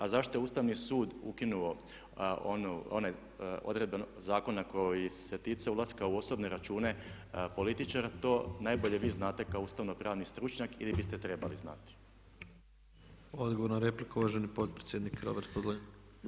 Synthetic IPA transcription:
azaʃt̪o̞jeuːst̪aʋnisuːd̪ṵkinuo̞ | onuo̞naj | o̰d̪ɾe̞d̪benozaːko̞nako̞jise̞t̪it̪seulˠaskauo̞sobne̞ɾat͡ʃuːne̞ | po̞lit̪it͡ʃaɾat̪o̞ːnaːjbo̞ʎe̞ʋiːznaːt̪e̞kaouːst̪aʋnopɾaːʋnist̪ɾut͡ʃɲakilibist̪et̪ɾe̞balizna̰t̪i̥ | od̪ɡoʋoɾnoɾeplikuʋaʒenipo̞t̪̚pɾet̪sjed̪nikɾo̞̰beɾt̪pod̪lo

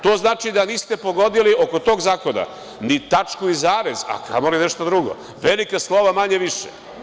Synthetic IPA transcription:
t̪o̞ːznaːt͡ʃid̪aniːst̪e̞po̞ɡo̞d̪ilio̞ko̞t̪o̞ːɡzaːko̞na̰ | nit̪at͡ʃkuizaːɾez̥a̰kʰa̰moline̞ʃt̪od̪ɾuɡo̞̰ | ʋelikaslˠo̞ʋamaɲeʋiʃḛ

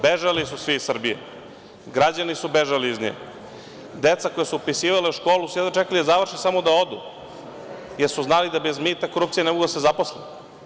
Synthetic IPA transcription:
beʒalisusʋiisr̩bijḛ | ɡɾad͡ʑanisubeʒaliizɲḛː | d̪et̪sakojesuopisiːʋaleʃko̞ːlusujd̪at͡ʃekalid̪azaʋr̩ʃisamo̞d̪ao̞d̪ṵ | jeɾsuznalid̪abezmiːt̪akoɾuːpt̪sije̞nɛmoɡud̪asezaposle

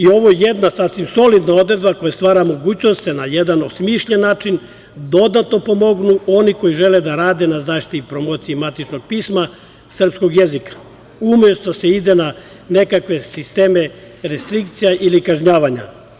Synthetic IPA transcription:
io̞ʋo̞jed̪nasasʋimso̞lid̪nao̞d̪ɾed̪bako̞jast̪ʋaːɾamo̞ɡuːt͡ɕnost̪senajed̪ano̞smiʃʎenːaːt͡ʃin | d̪o̞d̪at̪no̞po̞mo̞ɡnuʔo̞niko̞jiʒeled̪aɾaːd̪e̞nazaːʃt̪ipɾomoːt̪siimat̪it͡ʃno̞ɡ̚piːsma | sr̩psko̞ɡjezikḁ | umjest̪o̞se̞id̪e̞na | nekakʋe̞sist̪e̞ːme | ɾest̪ɾik̚t̪sijaʔilikaʒɲaːʋaɲa̰

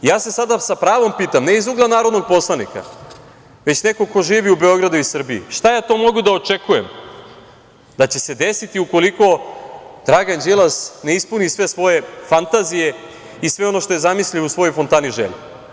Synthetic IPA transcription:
ijaːse̞sad̪asapɾaːʋo̞mpiːt̪amne̞izuɡlanaːɾod̪no̞ɡ̚po̞slˠanika̰ | ʋet͡ɕne̞ko̞ko̞ʒiːʋiube̞o̞ɡɾad̪uisr̩biḭʃt̪ajaːt̪o̞mo̞ɡud̪ao̞t͡ʃekujem | d̪at͡ɕe̞se̞d̪e̞sit̪iuko̞liko̞d̪ɾaɡand͡ʑelˠasneispunisʋe̞sʋo̞je̞fant̪azije̞ | isʋe̞o̞no̞ʃt̪o̞je̞zamisʎiousʋo̞jo̞jfo̞nt̪aːniʒḛʎi

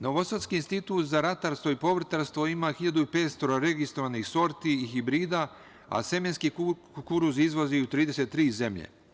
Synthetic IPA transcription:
no̞ʋosot̪skiːnst̪it̪uːt̪zaɾat̪aɾst̪ʋo̞ipo̞ʋr̩t̪aɾst̪ʋo̞imaxiʎad̪uipeːt̪st̪o̞ɾaɾe̞ɡist̪ɾoʋanixso̞ɾt̪iixibɾiːd̪a | a̰semenski | kuɾuzizʋo̞ziut̪ɾiːd̪e̞set̪ːɾiːze̞mʎḛ

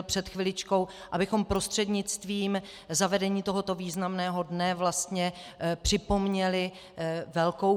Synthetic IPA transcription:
lpr̝̥ɛt̪xvɪlɪt͡ʃko̞wʔabɪxo̞mpɾo̞st̪r̥ɛdɲɪt͡st̪viːm | zavɛdɛɲiːt̪o̞ɦo̞t̪o̞viːznamnɛːɦo̞dnɛvlast̪ɲɛpr̝̥ɪpo̞mɲɛlɪ | vɛlko̞w

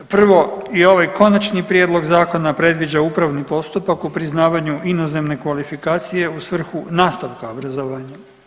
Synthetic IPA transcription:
pr̩ʋo̞io̞ʋajkʰo̞nat͡ʃnipɾjeːd̪lˠo̞ɡzaːko̞napɾe̞d̪ʋid͡ʑaupɾaʋnipo̞st̪upakupɾiznaːʋaɲuʔinoze̞mne̞kʋalifikaːt̪sije̞usʋr̩xunaːst̪aʋkaobɾazoʋaːɲa

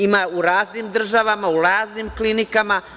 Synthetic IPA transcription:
imauɾaːznimd̪r̩ʒaʋamauɾaːzniːmklinikama

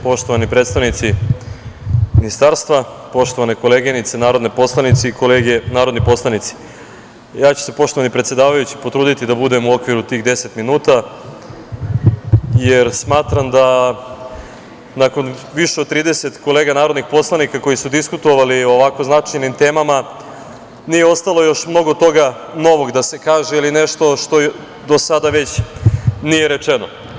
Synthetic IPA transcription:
po̞ʃt̪o̞ʋanipɾet̪st̪aʋnit̪si | minist̪aːɾst̪ʋapo̞ʃt̪o̞ʋaneko̞leːɡinit̪senaːɾo̞d̪nepo̞slˠanit̪siikoleɡenaːɾo̞d̪nipo̞slˠanit̪si̥ | jaːt͡ɕu̥se̞po̞ʃt̪o̞ʋanipɾet̪sje̞d̪aːʋajut͡ɕi̥po̞t̪ɾuːd̪it̪id̪abud̪e̞muo̞kʋiɾut̪iːxd̪e̞se̞t̪minuːt̪a | jeɾsmaːt̪ɾamd̪a | nako̞nʋiʃeod̪̚t̪ːɾiːd̪ese̞t̪ko̞leːɡanaːɾo̞d̪nixpo̞slˠanikako̞jisud̪iskut̪oʋaliooʋako̞znat͡ʂajnimt̪e̞ːmama | nijeo̞st̪alo̞jo̞ʃmno̞ɡo̞t̪o̞ɡa | no̞ʋo̞ɡd̪ase̞kaːʒeilineʃt̪o̞ʃt̪o̞ | d̪o̞sad̪aʋe̞t͡ɕ | nije̞ɾe̞t͡ʂeno

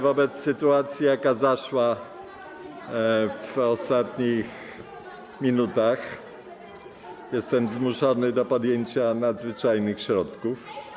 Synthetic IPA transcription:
vɔbɛt̪sːɘt̪uat̪sʲjijakazaʂwa | vɔst̪at̪ɲix | mʲinut̪ax | jɛst̪ɛmzmuʂɔnɘd̪ɔpɔd̪jeɲt͡ɕanad̪zvɘt͡ʂajnɘxɕɾɔt̪kuf

